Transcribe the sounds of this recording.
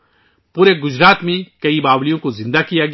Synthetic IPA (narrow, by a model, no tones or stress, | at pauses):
puːɾeɡʊzɾaːt̪mẽkɐibaːblijõkozɪ̃nd̪akijaːɡ